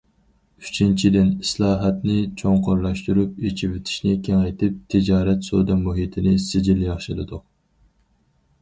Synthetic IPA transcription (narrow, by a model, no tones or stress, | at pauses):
y̥t͡ʃʰint͡ʃʰid̪ɪnislˠɑːɦɛt̪nɪt͡ʃʰoŋqʰoɾlˠɑʃt̪uɾupet͡ʃʰivɪt̪ʰɪ̥ʃnɪkʲʰeŋɛjt̪ʰɪp̚t̪ʰɪd͡ʒɑːɾɛt̪sod̪ɛmuɦit̪ʰɪnɪsɪd͡ʒiljɑχʃɪlɨ̰d̪ʊq